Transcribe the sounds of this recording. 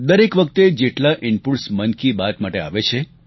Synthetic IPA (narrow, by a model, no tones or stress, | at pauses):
d̪əɾekʋək̚t̪ed͡ʒeʈlaʔɪɳpulsmənkibat̪maʈea̰ʋet͡ʃʰe